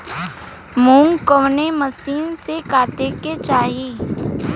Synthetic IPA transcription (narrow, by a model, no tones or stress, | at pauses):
mũːŋɡkəʋneməsiːnsekaːʈeket͡ʃaːɦi